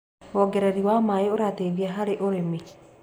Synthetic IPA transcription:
ɔɡɛɾɛɾiwaːmaːjeoɾaːt̪eðiaɦaɾeʔoɾemi

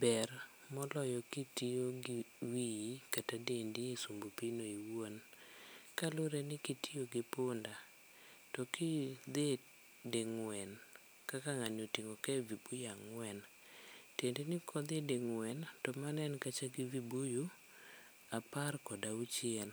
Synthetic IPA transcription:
bɛr | mɔlɔjɔkitioɡiwijkatadendiesumbopinoiwon | kalʊɾenɪkitʰioɡɪpʊnda | tɔkid̪e | deŋwɛn | kakaŋanotiŋokɛvibujaŋwɛn | tendenɪkʰɔd̪edeŋwɛntɔmanɛnkat͡ʃaɡivibuju | aparkɔdaut͡ʃɪɛl

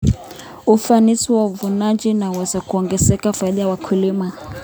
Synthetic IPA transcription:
ufanisiwauvunad͡ʒinawɛzakuɔŋɡɛzɛkafaiɗajawakʰulima

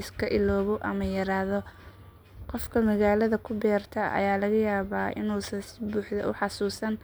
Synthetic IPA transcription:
ɪskʰɐʔɪlɔːβɔʔɐ̰mɐjɐɾaːðɔ | qɔfkʰɐmɐɣaːlɐðɐkʰʊbɛːrt̪ʰɐɐ̰jaːlɐɣɐjaːβaːʔɪ̰nuːsɐnsɪbuːħðɐʔʊħɑsuːsɐn

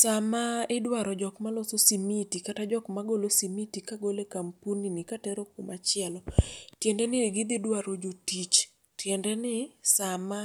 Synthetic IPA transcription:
samaɪdwaɾɔd͡ʒɔkmalososimitikatad͡ʒɔkmaɡolosimitikaɡolekampuninɪkatɛɾokʊmat͡ʃɪɛlɔtjɛndɛnɪɡɪd̪ɪdwaɾod͡ʒotit͡ʃ | tjɛndɛnɪsama

